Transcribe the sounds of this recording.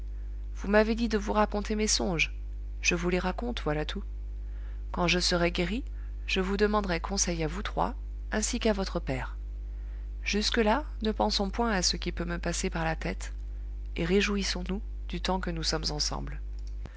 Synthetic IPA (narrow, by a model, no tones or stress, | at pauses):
vumaved̪id̪əvuʁakɔ̃t̪emesɔ̃ʒ | ʒ̥əvuleʁakɔ̃t̪vwalat̪ʰu | kɑ̃ʒəsəʁɛɡʲeʁi | ʒ̥əvud̪əmɑ̃d̪ʁɛkʰɔ̃sɛjavut̪χwa̰ | ɛ̃sikavɔt̪χəpɛːʁ | ʒ̥yskəla | nəpɑ̃sɔ̃pwɛ̃asəkʲipøməpasepaʁlat̪ɛt̪ | eʁeʒuisɔ̃nu | d̪yt̪ɑ̃kənusɔmzɑ̃sɑ̰̃bl